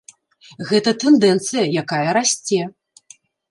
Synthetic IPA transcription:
ɣɛt̪ɐt̪ɛnd̪ɛnt̪sɨjɐjakajɐɾasʲt͡sʲɛ

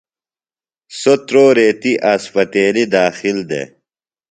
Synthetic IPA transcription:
sot̪ɾoːɾeːt̪iʔaspɐt̪eːlid̪aːxild̪ḛ

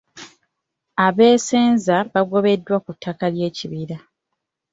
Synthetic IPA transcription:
aβe̞ːseːnzaβaɡo̞βe̞dːwakutʰːakalje̞ːciβiɾa

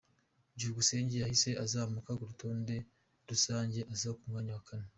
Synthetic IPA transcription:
ɟihuɡuse̞ːɲɟejahise̞ʔazaːmukaɡoɾutʰo̞ːnde̞ | ɾusaːɲɟe̞ʔazakumŋaːɲawakʰane

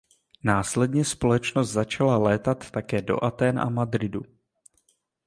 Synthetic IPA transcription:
naːslɛdɲɛspo̞lɛt͡ʃnost̪zat͡ʃalalɛːt̪at̪ːakɛːdo̞̰ʔat̪ɛːnʔa̰mad̪ɾɪdu

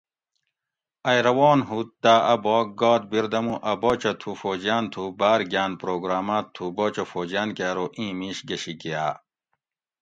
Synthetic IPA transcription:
ɐjɾɐwoːnɦut̪t̪aːɐboːk̚ɡaːt̪̚biɾd̪ɐmũʔɐboːt͡ɕɐt̪ʰufoːd͡ʑjaːnt̪ʰubaːɾɡjaːnpɾoːɡɾaːmaːtt̪ʰːuboːt͡ɕofoːd͡ʑjaːnkaːɾoːʔĩːmĩɕɡɐɕikia̰ː

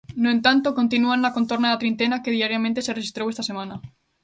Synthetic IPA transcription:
noẽnt̪ant̪oko̞nt̪inuanlako̞nt̪o̞ɾnaðat̪ɾint̪enake̞ðiaɾjamẽnt̪eserexist̪ɾoest̪asemana

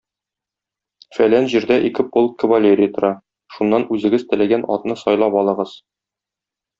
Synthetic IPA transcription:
fælænʑiɾd̪æʔikɘpolˠkkːə̆vɐlʲeɾʲɪjət̪ŏɾɑ | ʃunːɑnʉzɘ̆ɡɘzt̪ɘ̆læɡænʔɒ̰t̪nɤsɒjlˠɑpɒlˠɤ̆ʁɤz̥

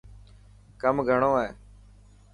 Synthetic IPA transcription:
kəmɡʱəɳoːeː

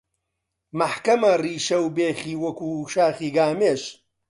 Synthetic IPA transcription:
mɐħkɐmɐriːʃɐwbeːχiːwɐkuːʃaːχiːɡaːmeːʃ

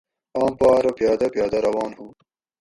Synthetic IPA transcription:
ɑːmpɑːɾɐpjɑːd̪ɐpjɑːd̪ɐɾɐwɑːnhuː

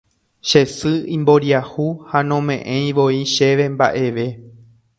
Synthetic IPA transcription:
ʃe̞sɨĩmbo̞ɾjahuhanõ̞mẽ̞ʔẽj̃ʋoiʃe̞ʋe̞mba̰ʔe̞ʋe̞

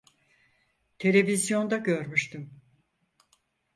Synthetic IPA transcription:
t̪ʰe̞lʲe̞vizjo̞nd̪aɟø̞ɾmyʃt̪ym

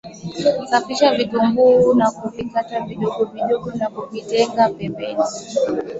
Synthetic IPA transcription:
kafiʃavitumbuːnakuvikataviɗɔɡɔviɗɔɠɔnakuvitɛŋɡapɛmbɛni

